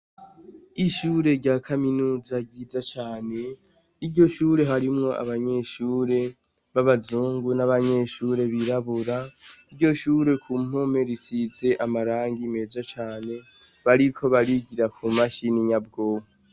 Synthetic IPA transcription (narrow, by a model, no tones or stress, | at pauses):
iʃuːɾe̞ɾɟaːkʰaminuːzaɟizat͡ʃaːne̞ | iɾɟo̞ʃuːɾe̞ɦaɾimŋo̞a̰βaɲe̞ʃuːɾe̞ | βaβazuːŋɡunaβaɲe̞ʃuːɾe̞βiɾaβuɾaiɾɟo̞ʃuːɾe̞kʰum̥o̞me̞ɾisize̞ʔamaɾaːŋɡime̞ːzat͡ʃaːne̞ | βaɾikʰo̞βaɾiɟiɾakumaʃiniɲab̚ɡo̞ːha